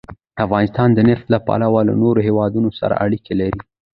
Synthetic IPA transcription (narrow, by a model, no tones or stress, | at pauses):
afɣɑnɪst̪ɑnd̪ənɪft̪lapa̰lawala̰noɾoɦewɑd̪unosa̰ɾa̰ʔaɽikelaɾi